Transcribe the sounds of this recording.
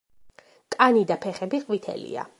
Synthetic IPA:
kʼanid̪apʰɛχɛbiχʼvit̪ʰɛ̰lḭa̰

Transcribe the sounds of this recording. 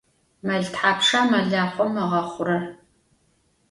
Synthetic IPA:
mɐɮtħaːpʂaːmɐɮaːχʷɔmːɐʁɐχʷʊɾɐr

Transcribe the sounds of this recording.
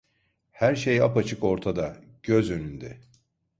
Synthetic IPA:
hæɾʃejapat͡ʃʰɯko̞ɾt̪ʰad̪a | ɟ̥øzønynd̪ɛ

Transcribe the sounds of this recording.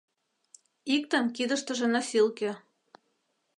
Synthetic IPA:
ik̚t̪əmkid̪əʃt̪ə̆ʒĕnɑfilkø

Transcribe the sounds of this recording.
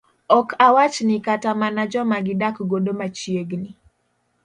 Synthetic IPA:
ɔkʰawat͡ʃnɪkatamanad͡ʒɔmaɡɪdakɡodomat͡ʃjeɡnɪ

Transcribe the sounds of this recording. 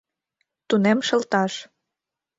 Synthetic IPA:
t̪unemʃɤ̆lt̪ɑʃ

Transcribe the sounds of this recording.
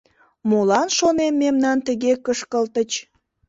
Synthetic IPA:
molɑnʃonemːemnɑnt̪əɣekəʃkəlt̪ət͡ɕ

